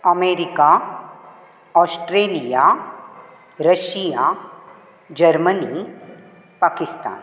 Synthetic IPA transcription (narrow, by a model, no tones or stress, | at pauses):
ɐmeːɾɪka | ɔːsʈɾeːlija | ɾɐʃija | d͡ʒɐɾməni | paːkɪst̪a̰ːn